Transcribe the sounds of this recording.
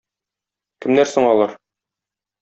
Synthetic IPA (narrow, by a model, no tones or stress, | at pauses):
kɘ̆mnæɾsoɴɒlˠɑɾ